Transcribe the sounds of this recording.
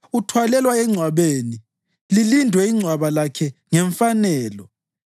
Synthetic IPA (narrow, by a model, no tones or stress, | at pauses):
utʰwalɛlwaɛŋ͡ǀʱwaβeni | lilindʱwɛiŋ͡ǀʱwaβalakʰɛŋɛɱfanɛːlɔ